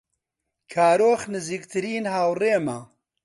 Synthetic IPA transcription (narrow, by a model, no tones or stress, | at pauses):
kʰaːɾoːxnɨziːkt̪ʰɨɾiːnhaːwreːma